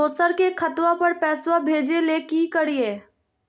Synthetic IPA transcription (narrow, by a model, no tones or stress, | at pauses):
oːsəɾkekʰət̪wapəɾpɛːswabʱeːd͡ʒelekikəɽieː